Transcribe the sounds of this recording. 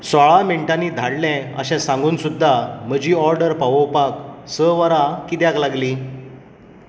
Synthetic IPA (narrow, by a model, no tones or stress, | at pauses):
sʋaɭameɳʈaniːd̪ʱaɽlɛ̃ə̰ɕɛ̃sãŋɡuːnsud̪ʱːam̤əd͡ʑiːɔɾɖəɾpaʋopaksəʋaɾakit̪jaklaɡliː